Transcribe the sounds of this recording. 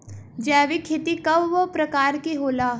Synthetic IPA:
d͡ʒɛːʋikʰɪt̪ikɐʋʋopɾɐkaːɾkiɦoːlaː

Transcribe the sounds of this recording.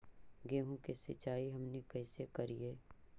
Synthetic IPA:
ɡeːɦõkesɪt͡ʃaːiɦɐmnekɐːsekɐɾieː

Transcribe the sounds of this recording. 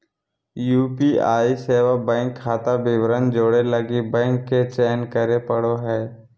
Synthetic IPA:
juːpiːaːiseːʋabɛ̃ːŋkʰːaːt̪abɪʋɾənd͡ʒoːɽeləɡibɛ̃ːŋkːet͡ʃɛːnkəɾepəɽoɦɛː

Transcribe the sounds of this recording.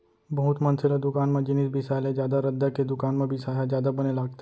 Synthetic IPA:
bɐɦʊt̪mɐnsɪlad̪ʊkaːnmẽd͡ʒɪnisbisaːlẽd͡ʒjaːd̪aɾɐd̪ːaked̪ʊkaːnmẽbʱisaːɦad͡ʒjaːd̪abɐnelaːɡ̚t̪e

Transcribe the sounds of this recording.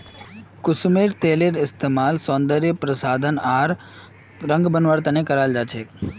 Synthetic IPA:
kʊsmeɾt̪eːleɾɪst̪eːmaːlsõːnd̪əɾjəpɾəsaːd̪ʱənaːɾ | ɾə̃ŋɡbənʋaɾt̪ənẽkəɾaːld͡ʒaːt͡ʃʰe

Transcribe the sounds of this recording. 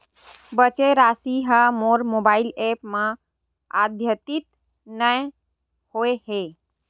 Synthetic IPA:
bət͡ʃeɾaːsiɦəmoːɾmobaːilepmã | ad̪ʱjət̪it̪ | nəj | hoehe

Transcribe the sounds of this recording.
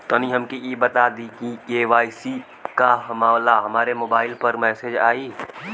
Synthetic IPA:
t̪oːnĩɦɐmkiiːbɐt̪aːd̪ikikeːʋaːɪsi | kaɦɐmaːwlaɦɐmaːɾemoːbaːɪlpɐɾmɛːsed͡ʒa̰ːiː

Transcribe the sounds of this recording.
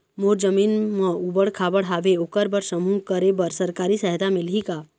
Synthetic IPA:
moːɾd͡ʒəmiːnmə̃ubəɽkʰaːbəɽɦaːʋeokəɾbəɾsəmũkəɾebəɾsəɾkaːɾisɛɦt̪amɪlɦikaː

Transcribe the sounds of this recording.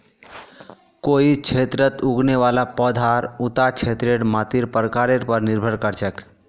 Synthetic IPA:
koit͡ʃʰet̪ɾət̪uɡneʋalapəd̪ʱaɾut̪at͡ʃʰet̪ɾeɽmat̪iɾpəɾkaɾeɾpəɾniɾbʱəɾkəɾt͡ʃɛk

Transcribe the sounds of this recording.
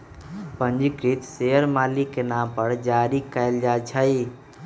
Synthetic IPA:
pənd͡ʒikɾit̪sejəɾmalikenampəɾd͡ʒaɾikəjld͡ʒat͡ʃʰəj

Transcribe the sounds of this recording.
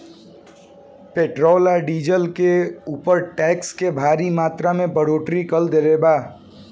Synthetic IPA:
peːʈɾɔːlaɖiːd͡ʒəlkeuːpəɾʈɛːkskebʱaːɾimaːt̪ɾamẽbəɽoːʈɾikəld̪elebaː

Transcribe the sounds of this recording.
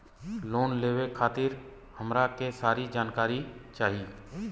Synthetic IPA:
loːnleːʋekʰaːt̪ɪɾ | həmɾakesaːɾid͡ʒaːnkaːɾit͡ʃaːɦi

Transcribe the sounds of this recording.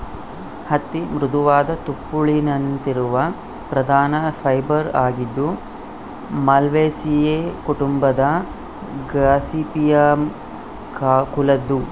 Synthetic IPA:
hɐt̪ːimɾud̪uʋaːd̪ɐt̪upːuɭinɐnnt̪iɾuʋɐ | pɾɐd̪ʱaːnɐpʰɐjbɐɾaːɡid̪ːu | mɐlʋeːsijeːkuʈumbɐd̪ɐ | ɡɾaːsiːpijɐm | kakulɐd̪ːu

